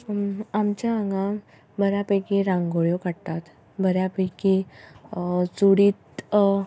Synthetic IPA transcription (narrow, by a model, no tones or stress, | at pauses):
amt͡ɕjaːŋɡã | bəɾjapəjkiɾãŋɡoɭjokaɽt̪at̪ | bəɾjapəjki | t͡suɽiːt̪